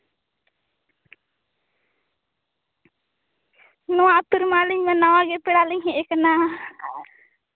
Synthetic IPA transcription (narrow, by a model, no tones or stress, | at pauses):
nɔwaʔt̪uɾmaliɲmɛnawaɡɛpɛɽaliɲɦɛ̃ʔɛkana